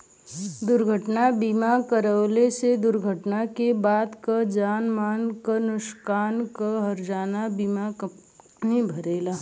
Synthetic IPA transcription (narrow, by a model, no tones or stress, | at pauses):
d̪ʊɾɡʱəʈnabiːmakəɾəwlesed̪ʊɾɡʱəʈnakebaːd̪kad͡ʒaːnmaːnkənʊʃkaːnkəɦɐɾd͡ʒaːnabiːma | nẽbʱɐɾeːlaː